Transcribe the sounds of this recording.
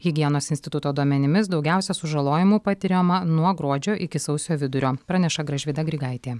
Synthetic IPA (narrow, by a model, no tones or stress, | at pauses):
ɣʲɪɡʲiɛnoːsɪnʲsʲt̪ʲɪt̪ʊt̪oːd̪uɔmʲɛnʲɪmʲɪs̬d̪ɒʊɡʲæˑʊsʲɛsʊʒɐlˠoːjɪmuːpɐt̪ʲɪɾʲomɐnuɔɡɾuɔd͡ʒʲoːʔɪkʲɪsɐʊsʲjoːʋʲɪd̪ʊɾʲoːpɾɐnʲɛʃɐɡɾɐʒʲʋʲɪd̪ɐɡɾʲɪɡɐɪt̪ʲeː